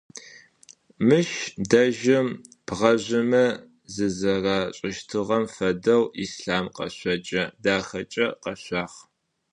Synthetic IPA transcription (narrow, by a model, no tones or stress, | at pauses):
mɨʃdɐʒɪm | pʁɐʑʷɪmɐ | zɨzɐraːɕʼɪʃtʰɨʁɐmfɐdɐwisɬaːmqɐ̰ɕʷɐt͡ʃʼɐdaːxɐt͡ʃʼɐqɐɕʷɑːχ